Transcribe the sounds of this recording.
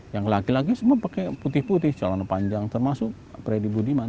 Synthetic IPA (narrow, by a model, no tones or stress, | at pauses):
jaŋlakilaɡisumuapakɛput̪ɪhput̪ɪht͡ʃalanapaɲd͡ʒaŋt̪ərmasʊk̚ | pɾedibudiman